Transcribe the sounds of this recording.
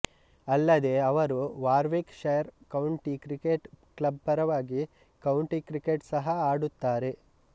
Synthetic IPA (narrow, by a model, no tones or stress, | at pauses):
ɐlːɐd̪e̞ɐʋɐɾuʋaːɾʋekʃejɐɾkɐwɳʈikɾikeʈklɐb̚pɐɾɐʋaːɡi | kɐwɳʈikɾikeʈsɐɦɐaːɽut̪ːaːɾe̞